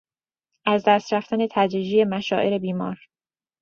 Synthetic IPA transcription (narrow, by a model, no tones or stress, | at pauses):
ʔæzd̪æst̪ɾæft̪æne̞t̪ʰæd̪ɾiːd͡ʒijemæʃɒːʔe̞ɾe̞biːmɒːɾ